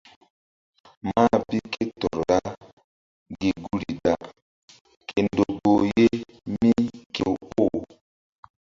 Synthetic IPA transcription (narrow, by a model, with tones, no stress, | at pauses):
ma˦bi˦kʰe˦tɔ˨ɾɾa˦ | ɡe˨ɡu˦ɾi˨da˨ | kʰe˨ndo˨bo˨je˦ | mi˦ke˨o˦˨